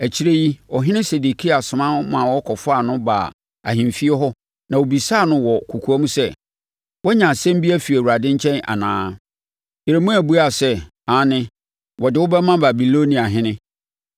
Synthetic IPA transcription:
æ˨t͡ɕʰi˦ɾe˦ji˦ɔ˨ɦɪ̃˦nɪ̃˦se˨de˨kʰi˦a˨sʊ˨mã˦mã˨wɔ˦kʰɔ˨fʊ˦a˨nʊ̃˦ba̰˨ | a̰˨ɦĩ˨mfi˦ɛ˦ɦɔ˦ | nã˨wo˨bi˨saː˦˨nʊ̃˦wɔ˨kʰu˨kʰu˨˦a˦mũ˦sɛ˦ | wɔ˦ɲã˨sɛ̃˦m˦bi˦æ˦fi˨æ˨wu˨ɾa˨dɪ̃˦ɲ˦t͡ɕʰɛ̃˦na̰˨nãː˨˦ | e˨ɾe˨mũ˦æ˨bu˦a˨sɛ˦ | ã˨˦nɪ̃˦ | wɔ˨dɪ˨wʊ˦bɛ˦mã˦ba˨bi˨lo˦nĩ˨a˨ɦɪ̃˦nɪ̃˦

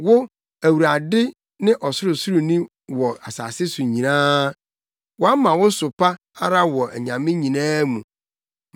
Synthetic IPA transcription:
wʊ˦ | æ˨wu˨ɾa˨dɪ˦ | nɪ̃˦ʔɔ˨sʊ˦ɾʊ˨sʊ˦ɾʊ˨nĩ˦ | wɔ˨a˨sa̰˨sɪ˦sʊ˨ɲĩ˨nãː˦ | wɔ˦a˦mã˨wʊ˦sʊ˨pʰa˦ | a˦ɾa˦wɔ˨æ̰˨ɲã˨mɪ̃˦ɲĩ˨nãː˦mũ˨

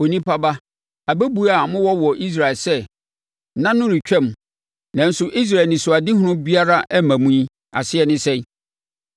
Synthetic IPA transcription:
o˨nĩ˦pa˦ba˦ | a˨bæ˦bu˦a˨mʊ̃˦wɔ˦wɔ˨ʔi˦s̬ɾa˨ɛ˨lsɛ˦ | nã˦nʊ̃˦ɾɪ˨t͡ɕᶣɛ̃˦˨m | nã˨n̩˦sʊ˦ʔi˦s̬ɾa˨nɪ̃˨sʊ˨a˨dɪ˦ɦʊ̃˦nʊ̃˦bi˦a˦ɾa˦ʔɛ˦mæ̃˨mũ˦ĩ˦ | a̰˨sɪ˦ɛ˨nɪ̃˦sɛ̃˦

